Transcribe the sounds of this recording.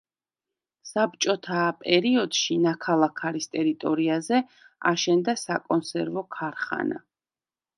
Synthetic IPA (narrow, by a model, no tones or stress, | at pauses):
sap̚t͡ʃʼɔt̪ʰapʼɛɾiɔd̪̥ʃinakʰalˠakʰaɾist̪ʼɛɾit̪ʼɔɾiazɛ | a̰ʃɛnd̪asakʼɔnsɛɾvɔkʰaɾχa̰na̰